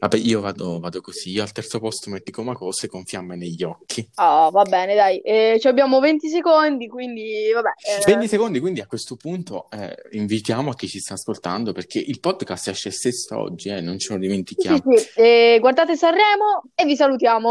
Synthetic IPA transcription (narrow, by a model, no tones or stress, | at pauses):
vabːɛʔiːovaːd̪ovaːd̪okosiiːoalt̪ɛrt̪sopɔst̪omet̪ːikomakɔsekoɱfjamːeneʎːɔkʰːiavabːɛːned̪ajɛt͡ʃiabːjaːmovent̪is̬ekond̪ikwind̪ivabɛvent̪isekond̪ikwind̪iakwest̪opunt̪oɛ̰iɱvit̪jaːmoak̟ːit͡ʃːist̪aːskolt̪a̰nd̪operk̟ʰeʔilpɔd̪kast̪ɛʃːɛst̪esːo̰ɔ̰d͡ʒːiɛnːont͡ʃelod̪iment̪ikjaiiɛɡward̪aːt̪esarːɛːmoevːisalut̪jaːmo